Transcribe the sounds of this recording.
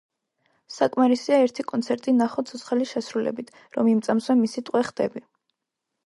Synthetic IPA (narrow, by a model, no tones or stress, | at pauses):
sakʼmaɾisiaɛɾt̪ʰikʼɔnt̪sʰɛɾt̪ʼinaχɔt̪sʰɔt̪sʰχɛliʃɛsɾulɛ̰bit̪ʰ | ɾɔmimt̪sʼamswɛmisit̪ʼwɛχd̪ɛbi